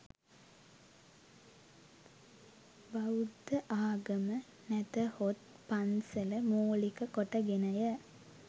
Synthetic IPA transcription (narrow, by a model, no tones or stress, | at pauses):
bɐwd̪ɐʔaːɡɐmɐ | nɛt̪ɐhot̪̚pɐnsɐlɐmoːlikɐkɔʈːɐɡenɐjɐ